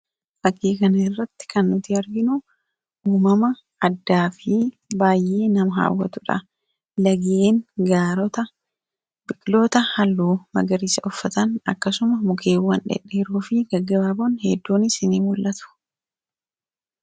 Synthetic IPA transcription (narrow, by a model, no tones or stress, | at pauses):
fɐkːiːkɐnɐɪrːɐt̪ːɪ̥kʰɐnːʊt̪ɪɐɾɡɪnʊ | uːmɐmɐː | d̪ːaːfɪ | baːjʔeːnɐmɐɦa̰ːwːɐ̰t̪ʊᶑɐ̰ | lɐɡeːnɡaːɾɔt̪ɐ | bɪkʼɪlo̞ːt̪ɐhɐlːuːmɐ̰ɡɐɾiːsɐʔɔfːɐt̪ɐnɐ̰kːɐsʊmɐmʊkʰe̞ːwːɐnᶑɛ̰ᶑːeːɾuːfɪɡɐɡːɐbaːboːnhɛd̪ːoːnɪsɪnimʊlʔɐt̪ʊ̥